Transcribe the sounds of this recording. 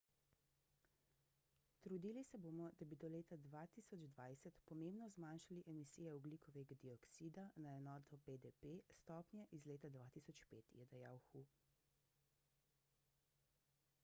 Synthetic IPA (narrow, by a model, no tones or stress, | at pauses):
t̪ɾud̪ilisɛboːmɔd̪abid̪ɔleːt̪ad̪ʋaːt̪iːsɔd͡ʒd̪ʋaːjsɛt̪pɔmeːmbnɔzmaːnʃaliʔɛmisiːjɛɔɡlikʰɔʋɛɡad̪iɔksiːd̪anaɛnɔːt̪ɔped̪ɛpest̪ɔːpnjɛʔizleːt̪ad̪ʋaːt̪isɔt͡ʃpeːt̪jɛd̪aja̰wxu